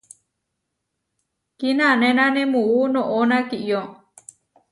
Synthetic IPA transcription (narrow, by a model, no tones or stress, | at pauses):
kinãnẽnãnẽmũunõʔonãkiʔjo